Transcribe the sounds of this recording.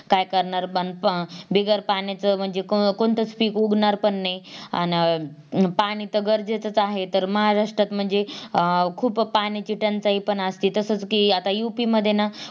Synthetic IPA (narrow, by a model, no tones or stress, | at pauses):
kajkəɾɳaɾənbiɡəɾpanat͡səm̤əɳd͡zekkoɳt̪ət͡spiːkuɡnaɾpəɳːeja̰n | paɽ̃it̪əɡəɾd͡zet͡sət͡saɦet̪əɾməɦaɾaʂʈɾat̪m̤əɳd͡ze | kʰuːppañit͡ɕiʈənt͡saɦipəɳast̪iːt̪əsət͡skiat̪ajupiməd̪ʱːjena